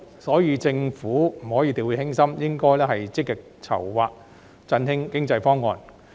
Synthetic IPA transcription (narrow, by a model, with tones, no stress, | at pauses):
sɔː˨˥jiː˨˧t͡sɪ˧ŋfuː˨˥m̩˨˩hɔː˨˥jiː˨˧t̪iː˨wiː˨˧hɪ˥ŋsɐ˥mjɪ˥ŋkɔː˥jlɛː˥ɦɐ˨jt͡sɪ˥k̚ːɪ˨k̚t͡sʰɐ̰˨˩wwa̰ː˨k̚ | t͡sɐ˧nɦɪ˥ŋkɪ˥ŋt͡sɐ˧jfɔː˥ŋːɔː˧n